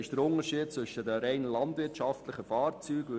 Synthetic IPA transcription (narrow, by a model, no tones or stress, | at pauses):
ɪʃd̥̪əɾʊnəɾʃiːd̥̚t͡sʋɵʃədəɾɛɪnlɑntvʋɪɾtʃɑftləχəfɑːɾt͡syːɡ